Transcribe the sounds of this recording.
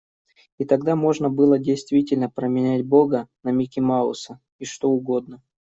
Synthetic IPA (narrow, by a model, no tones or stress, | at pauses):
it̪ɐɡd̪amo̞ʐnəbɨlˠədʲejst̪vʲitʲɪlʲnəpɾəmʲɪnʲætʲbo̞ɡənɐmʲɪkʲɪmaʊ̰sə | iʂt̪o̞ʊɡo̞d̪nə